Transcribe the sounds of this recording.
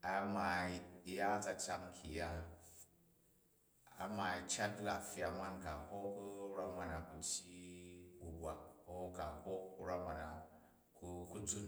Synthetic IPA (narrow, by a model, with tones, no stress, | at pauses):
a˦ma˨ja˦t͡sa˨t͡ʃa˧ŋkʰḭ˨ja˦ | a̰˨˦ma˨i˨t͡ʃa˦tla˨fja˨ma˦nka˨ho˦ku˦ɾa˦ma˨na˨ku˨ti˦u˨bʷa˨k̚o˦ka˨ho˦u˦ɾa˦mʷa˨na˨ | ku˧ku˦d͡zu˦n